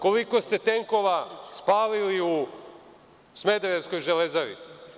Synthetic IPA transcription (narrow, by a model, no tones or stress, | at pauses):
ko̞liko̞st̪e̞t̪e̞ŋko̞ʋaspaːliliu | sme̞d̪eɾeʋsko̞jʒelezaʋḭ